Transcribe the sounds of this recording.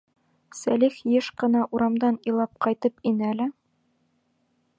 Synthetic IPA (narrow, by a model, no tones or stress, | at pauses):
sælixjɘʃqɤ̆nɑʔuɾɑmd̪ɑnilˠɑp̚qɑjt̪ɤpinɘælɘ